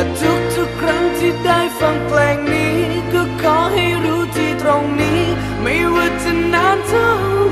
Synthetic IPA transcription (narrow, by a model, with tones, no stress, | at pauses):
a˨˧˩tu˨˦˥k̚t̪ʰu˧˩kɾa˧˥ŋtʰi˧˩daː˥˩jfa˧ŋklɛː˧ŋniː˦˥kɔː˧˩kɔː˧˩ha˥˩jɾuː˦˥t̪iː˧˩t̪ɾo˧ŋniː˦˥ | ma˥˩jwa˧t̚t͡ɕa˧nːaː˧˥ntʰa˧˥w